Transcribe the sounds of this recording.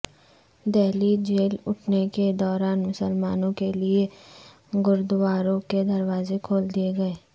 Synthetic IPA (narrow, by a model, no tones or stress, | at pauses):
d̪ɛːlid͡ʒeːlʊʈʰneked̪ɔːɾaːnmʊsəlmaːnõkelie | ɡʊɾd̪ʊwaːɾõked̪ɐɾwaːzekʰoːld̪ieɡɐeː